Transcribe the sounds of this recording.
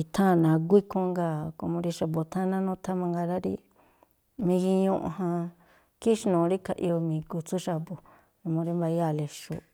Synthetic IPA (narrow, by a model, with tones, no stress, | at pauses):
i˧t̪ʰã˦˨nã˨˧ɡ̬ʷi˦kõ˧˦ŋɡa˧ko˧mõ˧ɾi˧ʃa˧bo˧t̪ʰã˦˧nã˦nũ˦t̪ʰa˦mã˧ŋɡa˧ɾa˦ɾḭ˦ | mĩ˧ɣi˧ɲũ˦˧ʔõ̰˧˨ɦã˧ | ki˦ʃi˧nõː˨˧ɾi˦ka˧˨ʔi˧o˧mĩː˨˧ku˧t͡su˦ʃa˧bo˨ | õ˧mõ˧ɾi˦mba˧i˦a˧˨le˧ʃṵ˧